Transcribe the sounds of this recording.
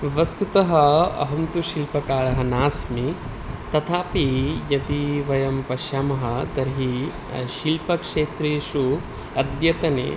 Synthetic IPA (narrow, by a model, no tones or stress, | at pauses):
ʋɐst̪ut̪ɐɦɐɐ̰ɦɐmt̪uʃilpɐkaːɭɐɦɐnaːsmi | t̪ɐt̪ʰaːpijɐt̪iʋɐjɐmpɐʃaːmɐɦɐ̆t̪ɐɾɦi | ʃilpɐkʂeːt̪ɾeːʃu | ɐd̪jɐt̪ɐnḛː